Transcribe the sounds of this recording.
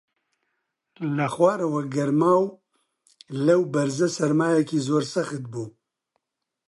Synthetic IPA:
lɐxwaːɾɐwɐɡɐɾmaːw | lɛwbɛɾzɛsɛɾmaːjɛkiːzoːɾsɐxɨt̪̚buː

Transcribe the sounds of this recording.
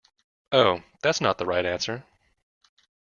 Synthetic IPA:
oʊðætsnət̪̚ðəɹaɪɾæ̃nsə˞

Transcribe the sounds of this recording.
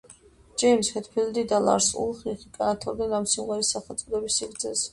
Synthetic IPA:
d͡ʒɛjmshɛt̪ʰpʰild̪id̪ala̰ɾsṵlˠχiχikʼanat̪ʰɔɾd̪ɛnamsimʁɛɾisːaχɛlˠt̪sʼɔd̪ɛbisːiɾt̪sʰɛs

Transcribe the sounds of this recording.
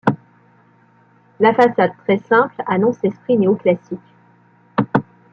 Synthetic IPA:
lafasad̪̚t̪χɛsɛ̃planɔ̃sɛspχineoklasikʲ

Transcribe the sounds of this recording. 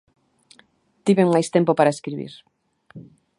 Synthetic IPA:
t̪iβeŋmajst̪empopaɾaeskɾiβḭɾ

